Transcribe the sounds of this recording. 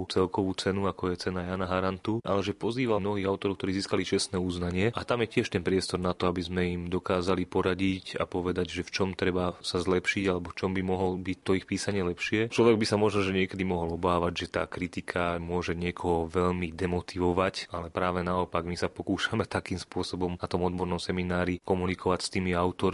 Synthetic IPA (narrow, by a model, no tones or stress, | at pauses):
ut͡sɛlkɔʋut͡sɛnuakɔjɛt͡sɛnajaːnaɦaɾant̪uʔa̰lɛʒɛpɔziːʋamnɔɦiːɣaʊt̪ɔɾɔʊkt̪ɔɾiːziːskalit͡ʃɛst̪nɛːuznaɲɪɛʔat̪amjɛcɪɛʃt̪ɛnpɾɪɛst̪ɔɾnat̪ɔabizmɛimd̪ɔkaːzalipɔɾaɟica̰pɔʋɛd̪aɟʒɛft͡ʃɔmt̪ɾɛbasazlɛpʃiɟalɛbɔft͡ʃɔmbimɔɦɔlbic̚t̪ɔixpiːsaɲɪɛlɛpʃɪɛt͡ʃlɔʋɛɡ̚bisamɔʒnɔʒɛɲɪɛkɛd̪imɔɦɔlɔbaːʋaɟʒɛt̪a̰ːkɾit̪ikʰamʊɔʒɛɲɪɛkʰɔɦɔʋɛʎmid̪ɛmɔt̪iʋɔʋacalɛpɾaːʋɛnaɔpaɡmisapɔkuːʃamɛt̪akiːmspʊɔsɔbɔmnat̪ɔmɔd̪bɔɾnɔmsɛminaːɾikɔmunikʰɔʋacst̪imiaʊt̪ɔɾ